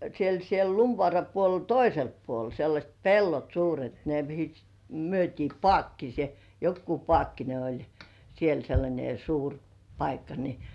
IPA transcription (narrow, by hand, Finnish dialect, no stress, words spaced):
siel siel lumʋŏɑˑrɑ puolel toiselpːuol selːɑsʲt pelːot suːret ne mihi myøtʲiː pŏɑˑkːise jokːu pŏɑˑkːine olʲ siel selːɑnʲe suːr pɑikːɑ ni